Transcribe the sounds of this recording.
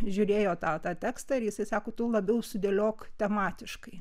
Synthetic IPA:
ʒʲʊɾʲeːjoːt̪ɑːt̪ɑːt̪ʲæːkst̪ɑɪɾjɪsɐɪsɑːkoːt̪ʊlˠɐbʲɛʊsʊd̪ʲeːlʲoːkt̪ʲɛmɑːt̪ʲɪʃkɐɪ

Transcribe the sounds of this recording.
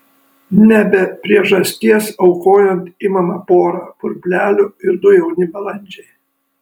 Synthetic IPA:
nʲɛbʲɛpʲɾʲiɛʒɐsʲt̪ʲiɛsɐʊkoːjɛnt̪imɐmɑpoːɾɑːpʊɾʲbʲlʲæːlʲʊɪɾd̪ʊjɛʊnʲɪbʲɛlˠɐnʲˑd͡ʒʲɛɪ

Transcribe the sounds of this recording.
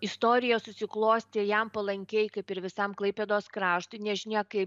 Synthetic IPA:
ɪst̪oːɾʲɪjɛsʊsʲɪklˠoːsʲt̪ʲeːjɛmpɐlˠɐŋʲkʲɛɪkɐɪpɪɾʋʲɪsɐmklˠɐɪpʲeːd̪oːskɾɑːʃt̪ʊɪnʲɛʒʲɪnʲɛkɐɪp

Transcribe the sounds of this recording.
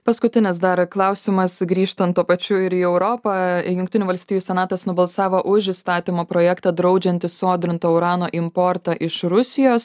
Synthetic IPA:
pɐskʊt̪ʲɪnʲɪsd̪ɐɾklˠɑʊsʲɪmɐsɡɾʲiːʃt̪ɐnt̪upɐt͡ʃʲʊɪɾiːɛʊɾoːpɐjʊŋkt̪ʲɪnʲuːʋɐlʲsʲt̪ʲiːjuːsʲɛnɑːt̪ɐsnʊbɐlˠsɑːʋoːʔʊʃist̪ɑːt̪ʲɪmoːpɾoːjɛːkt̪ɑd̪ɾɐʊd͡ʒʲɛnʲt̪ʲɪsoːd̪ʲɾʲɪnt̪oːʊɾɑːnoːʔɪmpoɾt̪ɑʔɪʃɾʊsʲɪjoːs

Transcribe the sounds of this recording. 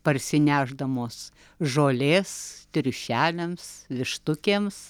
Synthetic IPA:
pɐrʲsʲɪnʲæːʒd̪ɐmoːs | ʒoːlʲeːst̪ʲɾʲʊʃʲæːlʲemsʋʲɪʃt̪ʊkʲeːms

